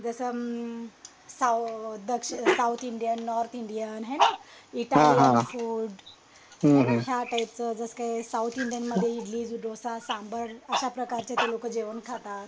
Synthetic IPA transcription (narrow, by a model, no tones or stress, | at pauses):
d͡zəsə | sad̪əkʂsawt̪ʰiɳɖijənːɔɾt̪ʰiɳɖijanɦenaiʈaɦl̃iɦãfuːɽ | ɦə̃ɦɦjaʈajp̚t͡səd͡zəsə̥kaesawt̪ʰiɳɖijənməd̪ʱːjeiʈliːd͡zuɖosasãmbəɾəɕapɾəkaɾt͡ɕet̪elokəd͡ʑeʋənkʰat̪at̪